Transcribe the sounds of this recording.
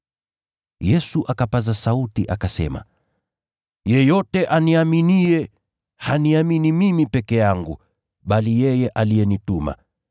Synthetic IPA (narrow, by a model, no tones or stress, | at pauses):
jɛsuʔakapazasautiʔakasɛ̰ma̰ | jɛjɔtɛʔaniaminiɛ | haniaminimimipɛkɛjaŋɡu | ɓalijɛjɛʔalijɛnituma̰